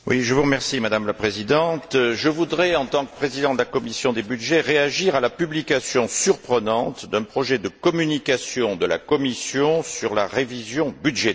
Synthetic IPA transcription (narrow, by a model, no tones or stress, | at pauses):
wḭʒəvuʁəmɛʁsimad̪amlapχezid̪ɑ̃t̪ʒəvud̪ʁɛɑ̃t̪ɑ̃kə̥pχezid̪ɑ̃d̪əlakɔmisjɔ̃d̪ebyd̪ʒɛʁeaʒiʁalapyblikasjɔ̃syʁpχənɑ̃t̪d̪ɛ̃pχɔʒɛd̪əkɔmynikasjɔ̃d̪əla̰kɔmisjɔ̃syʁlaʁevizjɔ̃byd̪ʒe